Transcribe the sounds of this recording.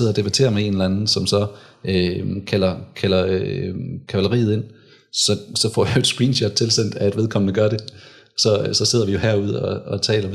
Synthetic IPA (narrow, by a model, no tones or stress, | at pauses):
seð̞̰ˠɒd̥e̝b̥æt͡sʰe̝̰ːɐmee̝nlænn̩sɒ̽msɒ̽ | økʰælɐkʰælɐ | kʰæʋælɐʁḭːð̞̩ˠe̝n̰ | sɒ̽sɒ̽fɒ̰ːjajoedsɡ̥ʁiːnɕɒd̥̚t͡sʰe̝lsen̰d̥æe̝d̥ʋeðˠkʰɒ̽mnəɡ̥ɶɐɾe̝ | sɒ̽sɒ̽se̝ð̞̰ˠɐʋijo̝hæɐuð̞ˠɒ̽ɒ̽t͡sʰɛ̰ːlɐ